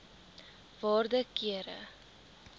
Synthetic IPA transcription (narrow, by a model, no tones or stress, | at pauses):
vɑːrdəkiəɾə̰